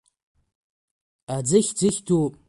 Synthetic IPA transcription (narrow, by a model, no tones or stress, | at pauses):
ad͡zɨxʲd͡zɨxʲtʰu